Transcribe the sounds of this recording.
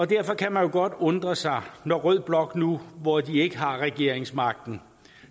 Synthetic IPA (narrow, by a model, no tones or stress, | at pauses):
ɒ̽d̥æɐfɒ̽kʰæmænjo̝ɡ̥ɒ̽d̥ɔ̽nd̥ʁɐsɑ̈ɪnɒʁœð̰ˠb̥lɒ̽ɡ̥nuʋɒd̥ie̝ɡ̥əɦɑ̈ʁɛɡ̥e̝ɐ̰eŋsmɑ̈ɡ̥̚d̥n̩